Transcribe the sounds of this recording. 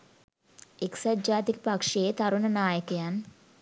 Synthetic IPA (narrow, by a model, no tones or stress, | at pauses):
eksad͡ʒaːt̪ikəpakʂeːt̪aɾunənaːjəkəjan